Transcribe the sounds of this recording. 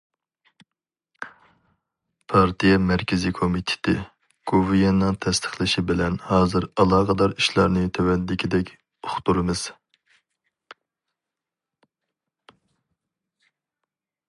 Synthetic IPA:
pʰɑɾt̪ʰijɛmɛɾkʲɪzikʰomit̪ʰɪ̥t̪ʰɪ | ɡ̥ovɨjenːɨŋt̪ʰɛst̪ʰə̥χlˠɪʃibɪlɛnhɑːzɨɾɑlˠɑːʁəd̪ɑɾiʃlˠɑɾnɨt̪ʰɛwɛnd̪ɪkʲʰid̪ɛkʲ | ʊχt̪uɾɨmɨz̥

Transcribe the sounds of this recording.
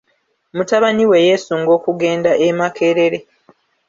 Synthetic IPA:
mutaβaniwe̞je̞ːsuŋɡo̞ːkuɡe̞ːndaʔemake̞ɾe̞ɾe̞

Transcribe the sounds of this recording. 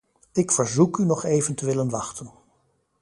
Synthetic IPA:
ɪkfəɹzukynɔχejvəntəʋɪlənʋɑχtən

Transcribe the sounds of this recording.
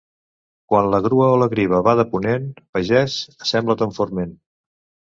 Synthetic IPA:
kwanləɣɾuəoləɣɾiβ̞əβaðəpunenpəʒɛsəsɛmblət̪əɱfoɾmen

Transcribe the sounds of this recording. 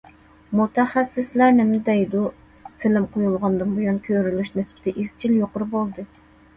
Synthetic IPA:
mut̪ʰɛχæsːɪslæɾnɪmɪd̪ɛjd̪u | fɪlɪmqʰojulˠʁɑnd̪ɨmbujunkʲʰøɾylyʃnɪspɪt̪ɛʔiz̥t͡ʃʰiljoqʊɾɨbolˠd̪ɨ

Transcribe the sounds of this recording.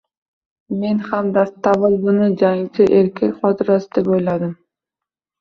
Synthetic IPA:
me̞nhamd̪at̪ʰavɨlˠbʊnɪd͡ʒaŋt͡ʃʰɪʔeɾkʰʲelʲqɒt̪ʰɪɾasɪd̪epojlad̪ɪm

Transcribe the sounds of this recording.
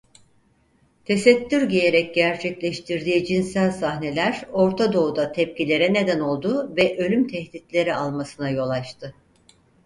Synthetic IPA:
t̪ʰe̞sɛt̪ʰːyɾɟeje̞ɾɛc̚ɟæɾt͡ʃʰɛclʲɛʃt̪ʰiɾd̪iːid͡ʒinsælʲsahne̞lʲæɾo̞ɾt̪ʰad̪o̞ud̪at̪ʰɛp̚cilʲe̞ɾɛne̞d̪æno̞lˠd̪uːvɛʔø̞lʲymt̪ʰɛht̪it̪lʲe̞ɾialˠmasɯnajo̞lˠat͡ʃt̪ʰɯ

